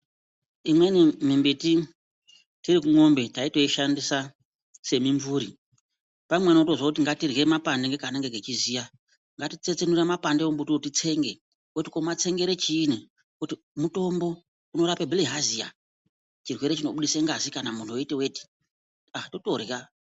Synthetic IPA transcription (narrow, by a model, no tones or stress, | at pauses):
imwenimimbiti | tiɾikuŋo̞mbe̞taito̞iʃandisa | se̞miɱvuɾi | pamwenoto̞zwakutiŋɡatirɣemapandeŋɡe̞kanaŋɡeɡʱet͡ʃizija | ŋɡatit͡se̞t͡se̞nuremapandeombutuotit͡se̞ŋɡe | wotikomat͡se̞ŋɡe̞ɾet͡ʃiːni | kuti | muto̞mbo̞ | uno̞ɾapebʱiliɦazija̰ | t͡ʃirwe̞ɾet͡ʃino̞ɓuɗiseŋɡazikanamun̤ʰuoitewe̞ti̥ | ato̞to̞rja